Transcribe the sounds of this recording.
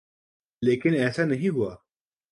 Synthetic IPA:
leːkinɛːsɐnɐɦĩːbuwa

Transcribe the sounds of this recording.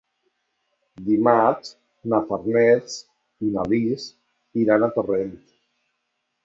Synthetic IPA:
d̪imat͡ʃ | nafaɾnɛt͡s | inalis | iɾanat̪orent̪

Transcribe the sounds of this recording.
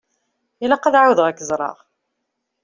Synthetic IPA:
ilːæqɑðʕawðʁækːzˤɾˤɑ̰ʁ

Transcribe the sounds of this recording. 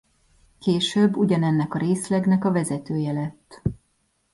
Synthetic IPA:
keːʃøbːuɟɒnɛnːɛkɒɾeːslɛɡnɛkɒvɛzɛt̪øːjɛlɛt̪ː

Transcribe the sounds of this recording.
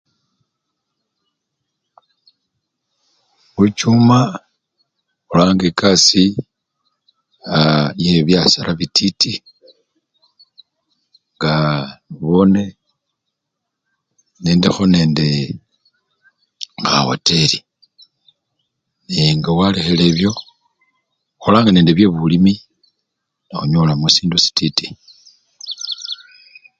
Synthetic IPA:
βut͡ʃuːma | ulaːŋɡekasi | ajeβjasaɾaβitʰiti | ŋɡaiβone̞ | neːndexo̞ne̞ːnde̞ | a̰wo̰te̞ɾi | neŋɡawalexele̞βjo̞ | xolaːŋɡane̞ːndeβje̞βulimi | naxuɲolamusiːndusi̥titi

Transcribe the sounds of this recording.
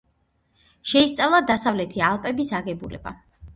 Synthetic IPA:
ʃɛist̪sʼavlˠad̪asavlɛt̪ʰialˠpʼɛbisaɡɛbulɛ̰ba̰

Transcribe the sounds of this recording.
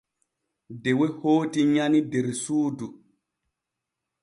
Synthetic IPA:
dɛwehoːtiɲanideɾsuːdu

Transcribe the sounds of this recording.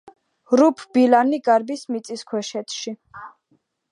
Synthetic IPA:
ɾupʰb̥ilaniɡaɾbismit̪sʼiskʰwɛʃɛt̪ʰʃi

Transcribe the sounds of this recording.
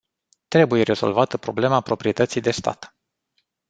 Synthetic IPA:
t̪ɾe̞buje̞ɾe̞zo̞̰lvat̪əpɾo̞ble̞mapɾo̞pɾie̞t̪ət̪sijd̪e̞st̪a̰t̪

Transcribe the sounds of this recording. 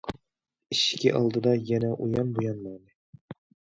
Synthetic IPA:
ɪʃkʲɪʔɑ̰lˠd̪ɨd̪ɑjɛnɛʔujɑnbujɑnmɑjnɨ

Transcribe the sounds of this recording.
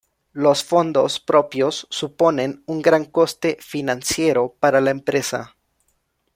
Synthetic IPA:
lo̞sfo̞nd̪o̞̰spɾo̞pjo̞sːupo̞ne̞nuŋɡɾaŋko̞st̪e̞finãnsje̞ɾo̞paɾalaempɾe̞sa̰

